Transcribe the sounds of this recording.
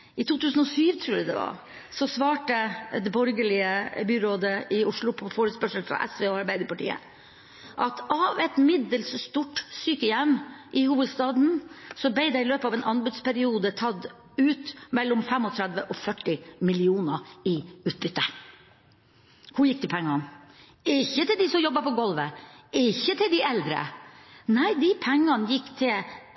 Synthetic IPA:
ʔɪt̪ʰuːt̪ʰʉːsn̩ɔsyːʋt̪ʰɾuːɾæd̪ɛ̰ʋɑ̰ɾ | sɔsʋɑːʈəd̪ɛbɔɾɡəɭɪəbyːɾoːd̪əʔɪʊʂɭʊpʰɔfoːɾəspœʂəlfɾɑ̰ʔɛ̰sʋeːɔɑɾbæɪd̪əɾpɑʈḭːə̰ | ʔɑt̪ʔɑʋɛt̪mɪd̪əlsst̪uʈːsyːkəjɛmːʔɪhuːʋəd̪st̪ɑːd̪n̩sɔb̪ɛɪd̪ɛɪɪløːpəɑːʋɛːnʔɑnbʉd̪spæɾɪuːd̪ət̪ʰɑd̪ | ʉːt̪mɛlːɔmfɛmɔt̪ʰɾæd̪ʋəʔɔfœʈːɪmɪlɪuːnəɾɪʉːt̪̚bʏt̪ːə | kʰʊjɪkːd̪ɪpʰɛŋːɑn | ɪçːət̪ɪld̪ɪsɔmjɔbːɑpɔɡɔlʋəɪɪçːət̪ʰɪld̪ɪɛld̪ɾə̰næɪd̪ɪpʰæŋːɑnjɪkːt̪ʰɪl

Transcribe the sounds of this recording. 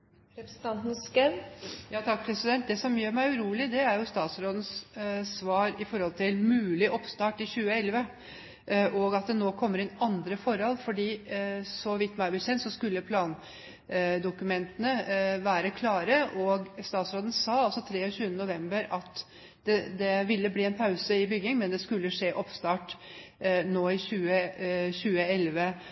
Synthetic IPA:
ɾɛpɾsn̩t̪ʰɑnt̪n̩skɛnjɑːt̪ʰɑk̚pʰɾɛsɪd̪ɛnt̪̚d̪ɛsɔmjøːɾmæɪʉɾuːlɪd̪ɛæɾjʊst̪ɑːt̪sɾoːd̪ən̩ssʋɑːɾɪfɔɾhɔlt̪ʰɪlmʉːlɪʔɔpst̪ɑːʈɪɕʉːəɛlʋə | ʔɔɡɑt̪̚d̪ɛnoːkʰɔmːəɾɪnɑnd̪ɾəfɔɾhɔlfɔɖiːsɔʋɪt̪ːmæɪbəsɛnt̪sɔskʉlːəpʰlɑːn | d̪ʊkʉmɛnt̪ənəʋæːɾəkʰlɑːɾəʔɔɡst̪ɑːt̪sɾoːd̪ən̩sɑːɑlsɔt̪ʰɾeːɔɕʉːənənʊʋɛmbəɾɑt̪ | d̪̥ɛd̪ɛʋɪlːəbliːɛnpʰɑʉsəɪbʏɡɪŋmɛnd̪ɛskʉlːəʂeːʔɔpst̪ɑːʈ | noːɪɕʉːəɕʉːəɛlʋə

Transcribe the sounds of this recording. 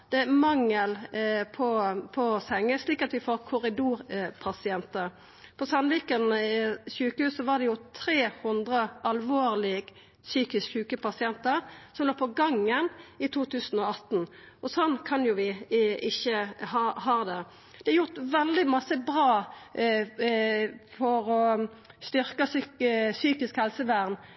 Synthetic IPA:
d̪̥ɛmɑŋːəlpʰɔpʰɔsɛŋːəsliːkɑt̪ʋɪfoːʁkʰʊɾɪd̪uːɾpʰɑsɪɛnt̪əɾ | pʰɔsɑnʋiːkənçʉːkəhʉːssɔʋɑʁd̪ɛjʊt̪ʰɾeːhʉnd̪ʁəʔɑlʋoːʁlɪɡ | syːkɪskçʉːkəpɑsɪɛnt̪əɾsɔmloːpʰɔɡɑŋːənɪt̪ʰuːt̪ʰʉːsn̩ɔɑt̪n̩ | ʔɔsɔnːkʰɑnjʊʋɪʔɪçːəhɑhɑːd̪ɛ | d̪̥ɛɑjʊʁt̪ʋɛld̪ɪmɑsəbʁɑː | fɔɾɔst̪ʏʁkəssyːkɪskhɛlsəʋæʁn

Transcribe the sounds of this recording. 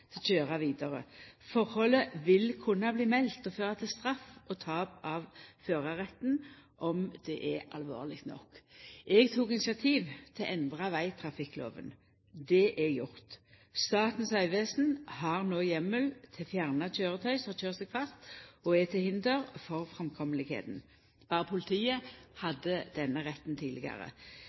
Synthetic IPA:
t̪ʰɪlçøːʁɑʋiːd̪ɑʁə̰fɔʁhɔləʋɪlkʰʊnːɑbliːmɛlt̪ɔføːʁɑt̪ʰɪlst̪ʁɑfʔɔt̪ʰɑːpɑʋføːʁɑʁɛt̪ːnʔɔmd̪̥ɛʔɛɑ̰lʋo̰ːʁlɪkt̪nɔ̰kʔɛɡt̪ʰuːkɪnɪsɪɑt̪ʰiːʋt̪ʰɪlʔɛnd̪ʁɑʋæɪt̪ʰʁɑfɪkːlo̰ːʋə̰n | d̪ɛʔɛɡjʊʁt̪ | st̪ɑːt̪n̩sɑʏʋeːsn̩hɑʁnoːjɛmːəlt̪ʰɪlfjæʁnɑc͡çøːʁət̪ʰœʏsɔt͡ʃøːʁsɛkʰfɑst̪ɔɛt̪ʰɪhɪnd̪əʁfɔʁfʁɛmkʰɔməlɪɡhḛːt̪n | b̥ɑːʁəpʰʊlɪt̪ʰiːəhɑd̪ːəd̪̥ɛnːəʁɛt̪ːnt̪ʰiːd̪lɪ̰ɡɑ̰ʁə̰

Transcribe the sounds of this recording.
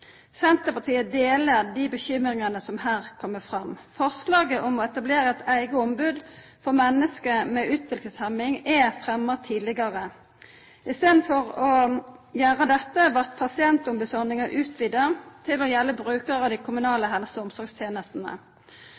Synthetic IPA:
sɛnt̪əpɑt̪ʰiːəd̪eːləd̪iːbəçʏmʁɪŋənəsɔmhæːʁkʰɔmːəfʁɑmfɔʁslɑːɡəʔɔmɔɛt̪ɑbleːʁəɛt̪æɪɡəɔmbʉːd̪ | fɔʁmɛnːəskəmɛʔʉːt̪ʋɪlkəshɛmɪŋɛfʁɛmːət̪ʰiːd̪lɪɡɑʁə | ɪst̪eːd̪n̩fɔʁɔjæːʁəd̪ɛt̪ːəʋɑʁt̪pʰɑsɪɛnt̪ʊmbʉsɔʁnɪŋɑʔʉːt̪ʰʋɪd̪ət̪ʰɪlɔjɛlːəbʁʉːkəʁɑd̪ɪkʰʊmʉnɑːləɦɛlsəʊmsɔɾɡst̪ʰjeːnəst̪n̩ə̰

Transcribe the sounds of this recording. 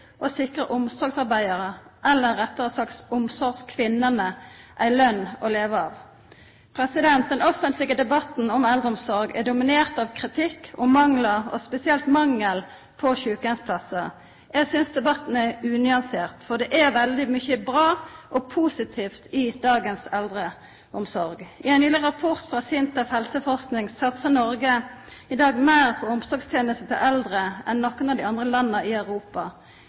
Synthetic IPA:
ʔɔsɪkʁəʔʊmsɔɾɡsɑʁbæɪəɾəʔɛlːəɾɛt̪ːəʁəsɑktsʊmsɔɾskʰʋɪnːənəʔæɪlœnːɔleːʋəɑːʋ | pʰɾɛsɪd̪ɛnt̪̚d̪ɛnɔfənt̪lɪɡəd̪ɛbɑt̪n̩ɔmɛld̪əɔmsɔɾɡɛ̰d̪ʊmɪneːʁt̪ɑʋkʰʁɪt̪ʰɪkːɔmɑŋləʁɔ̰spɛsɪɛlt̪mɑŋːəl | pʰɔçʉːkənspʰlɑsə | jɛɡsʏnsd̪ɛbɑt̪ːn̩ɛʁʉːnʏɑnseːʁt̪fɔʁd̪ɛʔɛʋɛld̪ɪmʏçəbʁɑːʔɔpʰusɪt̪ʰiːft̪ɪd̪ɑːɡənsɛld̪ʁə | ʊmsɔɾɡʔɪænyːlɪʁəʁɑpʰʊʁt̪fʁɑːsɪnt̪ɑfhɛlsəfɔʁsknɪŋsɑt̪səʁnɔɾɡə | ɪd̪ɑːɡmæɪʁpʰɔʊmsɔʁɡst̪ʰeːnəst̪ət̪ʰɪlʔɛld̪ʁəʔɛnːɔkːənɑʋd̪ɪɑnd̪ʁəlɑnːəɪœʉʁuːpɑ

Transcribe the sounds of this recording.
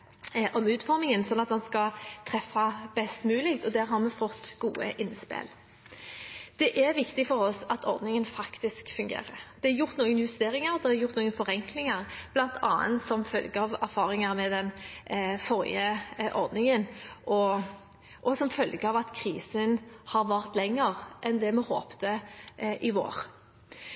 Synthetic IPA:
ʔɔmʉːt̪fɔɾmɪŋənsɔnːɑt̪mɑnskɑt̪ʰɾɛfːɑbɛst̪mʉːlɪkt̪ɔd̪æːɾɦɑɾmɛfɔt̪ːɡ̥uːəʔɪnspḛːl | d̪̥ɛʔæɾʋɪkt̪ɪfɔɾɔsɑt̪ʰɔ̰ɾd̪nɪŋənfɑkt̪ɪskfʉŋɡḛːɾəɾd̪̥ɛɑɾjʊɾt̪nuːɡənjʉst̪eːɾɪŋəɾd̪ɛɑɾjʊʁt̪nuːɡənfɔʁɛŋklɪŋəɾb̥lɑnt̪ʰɑːə̰nt̪sɔmfœlɡəɑʋæɾfɑːɾɪŋəɾmɛd̪ɛn | fɔɾɪ̰əʔɔʁd̪nɪŋənʔɔ | ʔɔsɔmfœlɡəɑʋɑt̪kʰɾiːsənhɑɾʋæʁt̪lɛŋːəʁʔɛnd̪ɛmɛho̰ːpt̪əʔɪʋo̰ːɾ

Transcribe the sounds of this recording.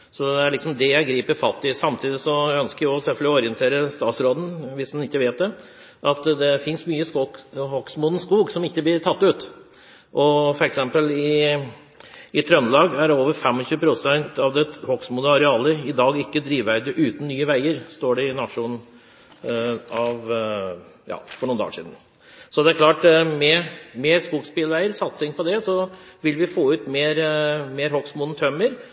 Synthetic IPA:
sɔɛæɭɪksɔmd̪ɛjæɪɡɾiːpəɾfɑt̪ːɪsɑmt̪ʰiːd̪ɪsɔjæœnskəɾjʊɔsɛlfœlɔɾɪənt̪ʰeːɾəst̪ɑːt̪sɾoːd̪n̩ʋɪsd̪ɛnɪkːəʋeːt̪̚d̪ɛ | ʔɑt̪d̪ɛfɪnsmyːəshɔksmuːd̪n̩skuːɡsɔmɪkːəblɪɾt̪ʰɑt̪ːʉːt̪ | ʔɔfɔɾɛksɛmpəlɪ | ɪt̪ʰɾœnlɑːɡæɾoːʋəɾfɛmːɔɕʉːəpʰɾʊsɛnt̪ɑʋd̪ɛhɔksmud̪əɑɾɛɑːləɪd̪ɑːɡɪkːəd̪ɾiːʋʋæɾd̪əʔʉːt̪n̩nːyːəʋæɪəɾst̪oːɖɛɪnɑʂuːn | ɑʋ | jɑ̰ːfɔɳuːnd̪ɑ̰ːʂḭːd̪n̩ | sɔd̪ɛæɾklɑːʈmɛmeːɾskuːkspɪlʋæɪəɾsɑt̪sɪŋpʰɔd̪ɛsɔʋɪlʋɪfoːʉːt̪meːɾmeːɾhɔksmuːd̪n̩t̪ʰœməɾ

